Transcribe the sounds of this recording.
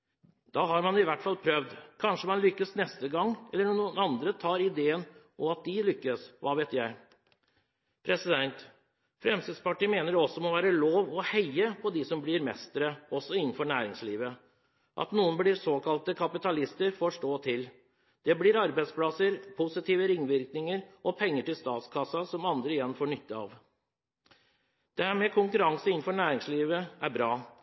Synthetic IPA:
d̪̥ɑːɦɑɾmɑnɪʋæʈːfɑlpʰɾœʋd̪kʰɑnʂəmɑnlʏkːəsnɛst̪əɡɑŋːɛlːəɳnuːənɑnd̪ɾət̪ʰɑːɾɪd̪eːən | ɔmɑt̪̚d̪ɪlʏkːəsʋɑːʋeːt̪jæɪ | pʰɾɛsɪd̪ɛnt̪ | fɾɛmst̪ɪd̪spɑʈiːmeːnəɾɔsɔmɔʋæːɾəloːʋɔhæɪəpʰɔd̪ɪsɔmbliɾmɛ̰st̪ɾəɔsɔɪnən̩fɔɳæːɾɪŋsliːʋə | ʔɑ̰t̪nuːənbliːɾsoːkʰɑlt̪əkʰɑpɪt̪ɑlɪst̪əɾfɔʂʈoːt̪ʰɪl | d̪̥ɛbliːɾɑɾbæɪspʰlɑsəɾpʰʊsɪt̪ʰiːʋəɾɪŋːʋɪɾknɪŋəɾʔɔpʰɛŋːəʈɪlst̪ɑːt̪skʰɑsːɑsɔmɑnd̪ɾəɪjɛnfɔːɳʏt̪ːəɑ̰ʋ | d̪̥æɾmɛkʰʊŋkʉɾɑŋsəɪnn̩fɔɳæːɾɪŋsliːʋəæɾbɾɑː

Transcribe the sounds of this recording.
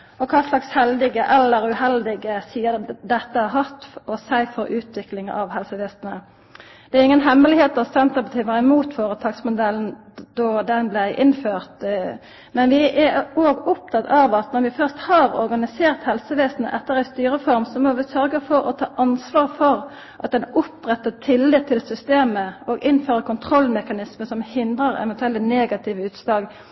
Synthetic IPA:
ɔkʰɑːslɑkshɛld̪ɪɡəʔɛlːəɾʉhɛld̪ɪɡəsiːəd̪ɛt̪ːəhæɦɑt̪ɔsæɪfɔɾʔʉːt̪ʰʋɪklɪŋʔɑʋɦɛlsəʋeːsnə | d̪̥ɛæɾɪŋːənɦɛmːəlɪheːt̪ɑsɛnt̪əpɑt̪ʰɪʋɑːɾɪmuːt̪foːɾət̪ʰɑːksmʊd̪ɛlːn̩d̪̥ɔd̪ɛnblæɪʔɪnføːɾt̪ | mɛnʋɪʔɛoːɡʊp̚t̪ʰɑt̪ɑʋɑt̪nɔɾʋɪfœʁst̪hɑːʁɔ̰ɾɡɑnɪseːʁt̪hɛlsəʋeːsnə̰ʔɛt̪ːəʁæɪst̪yːɾəfɔɾmsɔmɔʋɪsœɾɡəfɔɾɔ̰t̪ʰɑ̰ːʔɑnsʋɑːʁfɔɾ | ʔɑt̪̚d̪ɛnʊpʁɛt̪ːət̪ʰɪld̪et̪ʰːɪlsʏst̪eːməɔɡɪnføːɾəkʰʊnt̪ʰɾɔlːmɛkɑnɪsməsɔmhɪnd̪ʁəɾɛ̰ʋɛnt̪ʉɛlt̪neːɡɑt̪ʰɪʋəʉːt̪slɑːɡ

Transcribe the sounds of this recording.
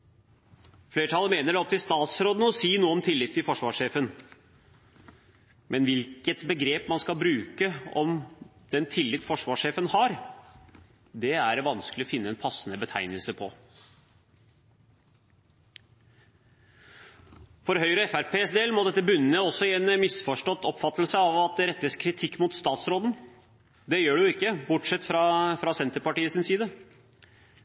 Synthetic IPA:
fleːʈʰɑːlːəmeːnəɖɛɔp̚t̪ɪlst̪ɑːt̪sɾoːd̪n̩ɔsiːnuːəɔmt̪ʰɪlːɪt̪ʰːɪlfɔʂʋɑːʂeːfən | mʔɛnʋɪlkət̪bəɡɾeːpmɑnskɑlbɾʉːkəɔ̰md̪̥ɛnt̪ʰɪlːɪt̪ːfɔʂʋɑːʂeːfənhɑɾ | d̪ɛæɾʋɑnsklɪɔfɪnːəɛnpʰɑsənəbət̪ʰæ̰ɪnəlsəpʰɔ | fɔɾhœʏɾəɛfæɾpʰeːsd̪eːlmɔd̪ɛt̪ːəbʉnənəɔsːɔɪɛnmɪsfɔʂʈɔt̪ːɔpfɑt̪ːəlsəɑʋɑt̪̚d̪ɛɾɛt̪ːəskʰɾɪt̪ʰɪkːmʊːt̪st̪ɑːt̪sɾoːd̪n̩ | d̪ɛjøːɖʉjʊɪkːəbʊʈʂɛt̪ːfɾɑfɾɑsɛnt̪əɾpɑʈiːəsɪnsiːd̪ə

